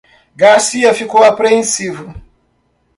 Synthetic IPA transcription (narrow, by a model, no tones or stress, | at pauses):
ɡaɾsiɐfikowapɾeẽsivʊ